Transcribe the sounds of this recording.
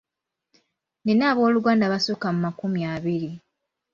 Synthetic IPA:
nenaːβo̞ːluɡaːndaβasokamumakumjaβiɾi

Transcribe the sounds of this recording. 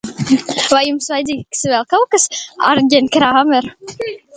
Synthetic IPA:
vajumsvajd̪ʲiːksvʲɛlʲˠkawkasa̰ɾɡʲenʲkɾaameɾ

